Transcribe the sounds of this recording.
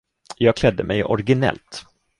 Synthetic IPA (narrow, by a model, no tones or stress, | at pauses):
jɑːɡ̚kʰlɛd̪ːəmɛjɔɾɡɪnɛ̰lt̪